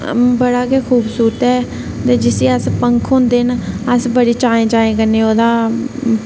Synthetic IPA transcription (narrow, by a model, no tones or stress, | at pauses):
bəɽaːkeːkʰuːbsuːɾt̪ɛː | t̪eːd͡ʒɪsẽːəspəŋkʰɦõːnd̪eːnəsbəɽiːt͡ʃaːẽːt͡ʃaːẽːkənːẽːoːd̪aː